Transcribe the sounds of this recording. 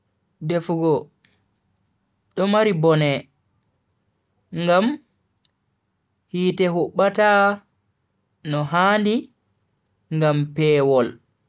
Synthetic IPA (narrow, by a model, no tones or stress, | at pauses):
defuɡɔ | ɗɔmaɾibɔnɛ | ŋɡam | hiːtɛɦuɓːata | nɔɦandi | ŋɡampɛːwɔl